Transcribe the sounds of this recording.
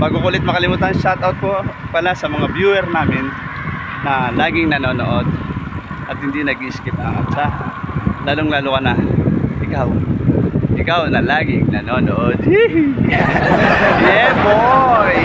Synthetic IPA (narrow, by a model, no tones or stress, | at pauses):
pɐɡʊkulɪt̪̚mɐkɐlɪmuːt̪anʃat̪ɐwt̪̚kopɐlasɐmɐŋabjuːɛɾnaːmɪnː | ɐlaːɡɪŋnɐnoːnoʔod̪̚ | ʔɐt̪hɪnd̪inɐɡ̚ɪskɪpɐŋʔɐt̪sa | laːloŋlaːlʊkɐnɐʔɪkaw | ʔɪkawnɐlaːɡɪŋnɐnoːnoʔod̪̚ | jɛpo